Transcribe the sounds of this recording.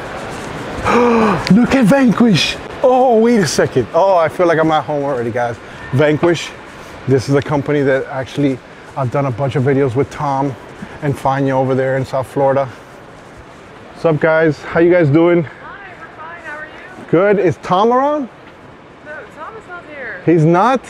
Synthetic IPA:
lʊkɨtvæ̃ŋkwɪʃoʊwiɾɨsɛkɨ̃ndoʊaɪfilaɪkãɪ̃mət̚hõʊ̃məɹɛɾiɡaɪz̥ | væ̃ŋkwɪʃ | ðɪsɨzɨkʰʌ̃mpɨniðɨɾæk̚t͡ʃʉl̩ˠi | aɪvdʌ̃nəbʌ̃nt͡ʃʌvɪɾioʊzwɨð̥tʰɑ̃m | ɨ̃nfãɪ̃njɨoʊvə˞ðə˞ɨ̃nsaʊθflɔɹəɾə | sʌv̚ɡ̥aɪz̥hajɨɡaɪzduɪ̃ŋ | ɡ̥ʊɾɪtstʰɑ̃mə˞ə̃n | hiznət̚

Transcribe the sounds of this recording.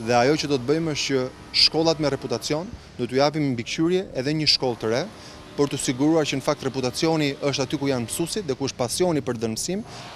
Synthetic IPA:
ðɛajɔt͡ɕəd̪ɔt̪əbəjməʃt͡ɕə | ʃkɔlˠat̪mɛrɛput̪at͡sjɔn | d̪ɔt̪ujap̬immbikʃyɾjɛʔɛðɛɲəʃkɔlˠt̪əɾɛ | pəɾt̪usiɡuɾuaɾt͡ɕənəfak̚t̪rɛput̪at͡sjɔniʔəʃ̬t̪at̪ykujanmsusit̪ðɛkuəʃt̪̚pasjɔnipəɾðənsim

